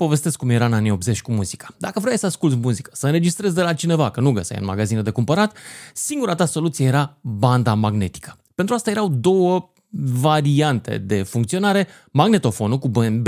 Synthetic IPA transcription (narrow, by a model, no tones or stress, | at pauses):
po̞ve̞st̪e̞skːumjeɾaɨnanijo̞p̚ze̞t͡ʃʲkumuzikḁd̪akəvɾojajsəaskult̪smuzikə̥səɨnɾe̞d͡ʒist̪ɾe̞zʲd̪e̞lat͡ʃine̞vakənuɡəsa̰jɨ̰nma̰ɡazined̪e̞kumpəɾat̪siŋɡuɾat̪aso̞lut̪sijeje̞ɾaband̪amaɡne̞t̪i̥kʰə̥pent̪ɾuast̪aje̞ɾawd̪o̞wə | vaɾiant̪e̞̰d̪e̞fuŋkt̪sio̞naɾe̞ | maɡne̞t̪o̞fo̞nukub̪b